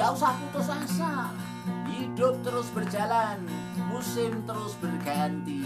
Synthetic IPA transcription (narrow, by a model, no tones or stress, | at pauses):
ausakut̪əsaŋsa | hidʊp̚t̪əɾʊsbərd͡ʒalan | musɪmt̪əɾʊsbərɡant̪i